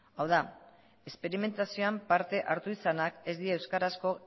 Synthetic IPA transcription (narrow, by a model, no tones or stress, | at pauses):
awða | e̞spe̞ɾime̞nt̪asio̞ampaɾt̪e̞ʔaɾt̪uisanake̞zd̪iae̞wskaɾasko̞